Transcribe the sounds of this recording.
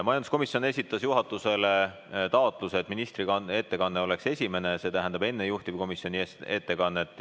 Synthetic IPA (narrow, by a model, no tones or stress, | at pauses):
mɑjɑnd̪uskomisjo̞ne̞sit̪ːˑɑsjuɦɑt̪ːˑuse̞le̞ | t̪ɑot̪ˑluset̪ːˑminist̪ɾie̞t̪ːe̞kɑnːeo̞le̞kse̞sʲime̞nese̞t̪æɦænd̪ɑbe̞nːejuht̪ibko̞misjo̞nʲiet̪ːe̞kɑnːet̪ːˑ